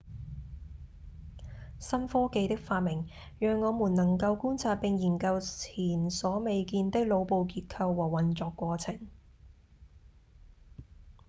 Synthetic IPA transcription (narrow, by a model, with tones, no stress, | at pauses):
sɐ˥nfɔː˥ke˧jt̪ɪ˥k̚faː˧t̚mɪ˨˩ŋ | jœː˨ŋːɔː˨˧muː˨˩nnɐ˨˩ŋkɐ˧wkuː˥nt͡sʰaː˧t̚pɪ˧ŋjiː˨˩nkɐ˧wt͡sʰiː˨˩nsɔː˨˥me˨jkiː˧nt̪ɪ˥k̚lo˨˧wpo˨˧wkiː˧t̚kʰɐ˧wːɔː˨˩wɐ˨˩nt͡ʃɔː˧kːʷɔː˧t͡sʰɪ˨˩ŋ